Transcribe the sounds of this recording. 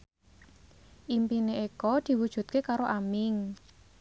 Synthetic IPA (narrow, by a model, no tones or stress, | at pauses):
ʔimpineekɔd̪̥i̤wud̥ʒ̥ṳt̪̚kekaɾoʔamɪŋ